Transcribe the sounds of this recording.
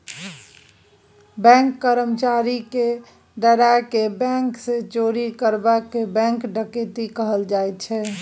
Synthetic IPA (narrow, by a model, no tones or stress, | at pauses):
bɛ̃ŋkːəɾəmt͡ʃaɾike | d̪əɾaekebɛ̃ŋksẽt͡ʃoɾikəɾbakːebɛ̃ŋkɖəket̪ikəɦəld͡ʒajt̪t͡ʃʰɛ